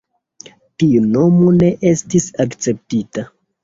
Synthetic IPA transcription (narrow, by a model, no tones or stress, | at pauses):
tiuno̞mo̞ne̞ʔe̞stisakt͡se̞p̚tita